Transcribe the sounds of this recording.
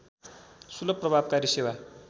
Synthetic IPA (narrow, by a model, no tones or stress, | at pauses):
sulʌpːrʌbʱab̚kaɾisewa